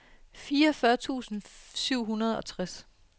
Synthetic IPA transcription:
fiːɐfɶɐt͡sʰṵːsn̩syʊ̰ɦunɐð̞ˠɒ̽t͡sʰʁas

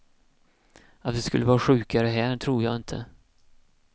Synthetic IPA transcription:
at̪d̪ɛskɵlːəvɑːɾaɧʉ̟ːkaɾəɦæːʈʰɾuːɾjɑ̰ːɡɪnt̪ʰə̰

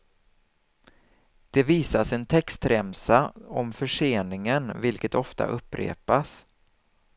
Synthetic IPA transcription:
d̪̥ɛviːsasɛnt̪ʰɛkst̪ɾɛmsaɔmfœʂeːnɪŋənvɪlkət̪ɔft̪a̰ʔɵpːɾḛːpas

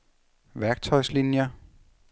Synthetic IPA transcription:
ʋæɐɡ̥̚t͡sʰɒ̽ɪslinjɐ

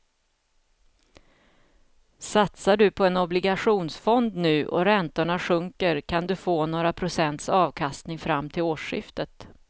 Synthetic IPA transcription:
sat̪saɖɵpʰɔɛnɔblɪɡaɧuːnsfɔnd̪nʉ̟ːʔɔ̰ɾɛnt̪ʊɳaɧɵŋkəɾkʰand̪ɵfoːnoːɾapʰɾʊsɛnt̪sɑːvkʰast̪nɪŋfɾamːt̪ʰɪloːʂɪ̰ft̪ət̪

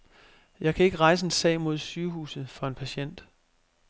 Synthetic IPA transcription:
jɑ̈ɪkʰæe̝ɡ̥əʁɑ̈ɪs̬əe̝nsɛ̰ɪmo̝ð̞̰ˠsyːɦṵːsð̞̩ˠfɒ̽e̝npʰæɕen̰d̥

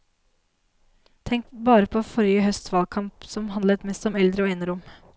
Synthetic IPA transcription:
t̪ʰɛŋkbɑːɾəpʰoːfɔɾjəhœst̪sʋɑːlkʰɑmpsɔmɦɑnd̪lət̪mɛst̪ɔmɛld̪ɾəoːɛɪnəɾʊm

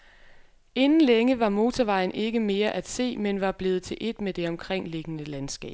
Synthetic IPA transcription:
e̝nn̩leŋəʋɑ̈mo̝ːt͡sʰɒʋɑ̈ɪn̩ʔe̝ɡ̥əme̝ːɐʔæd̥se̝̰ːmenʋɑ̈b̥le̝ːð̞̩ˠt͡sʰe̝lʔe̝d̥med̥e̝ɒ̽mkʰʁeŋ̰le̝ɡ̥ənəlænsɡ̥ɛ̰ːb

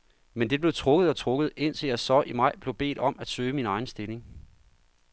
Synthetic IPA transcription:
mend̥e̝b̥le̝ʊt͡sʰʁɔ̽ɡ̥ð̩ˠɒ̽t͡sʰʁɔ̽ɡ̥ð̞̩ˠe̝n̰t͡sʰe̝læsɒʔimɑ̈ɪ̰b̥le̝ʊb̥e̝̰ːd̥ɒ̽mæd̥søːminɑ̈ɪn̩sd̥e̝le̝ŋ

